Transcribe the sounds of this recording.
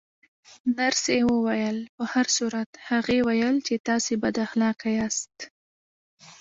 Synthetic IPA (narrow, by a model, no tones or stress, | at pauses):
naɾsewəwajəlpəhaɾsuɾat̪haɣewajəlt͡ʃet̪ɑsebad̪axlɑkajast̪